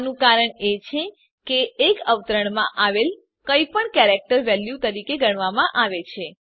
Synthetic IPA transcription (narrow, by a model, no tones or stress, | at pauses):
nũkaɾəɳet͡ʃʰe | keːkəʋt̪ɾəɳ̃mãʔaʋel | kəipəɳkɛɾek̚ʈəɾʋɛljut̪əɾikeɡəɳ̃ʋamãʔaʋet͡ʃʰe